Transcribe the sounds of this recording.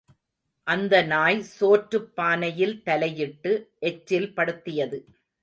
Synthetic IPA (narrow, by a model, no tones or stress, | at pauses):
ʔɐnd̪ɐnaːjsoːʈɾɯpːaːnɐjɪlt̪ɐlɐjɪʈːɯʔɛt͡ʃɾɪlpɐɽɯt̪ːɪjɐðɯ